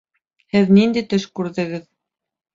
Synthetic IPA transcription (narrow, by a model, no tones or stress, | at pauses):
hɘðnind̪ijt̪ɵʃkʉɾðɘ̆ɡɘð